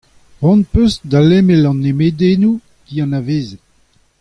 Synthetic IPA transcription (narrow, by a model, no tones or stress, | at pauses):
wɔ̃npøsd̪alemelɑ̃nːemed̪enu | ɡ̥iɑ̃naveːze